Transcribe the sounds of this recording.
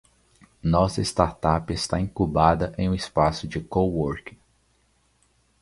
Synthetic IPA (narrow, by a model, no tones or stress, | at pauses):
nɔsɐest̪aɾt̪apest̪aĩkubad̪ɐʔẽj̃ũɪspasʊd͡ʒɪkooɾkɪ̥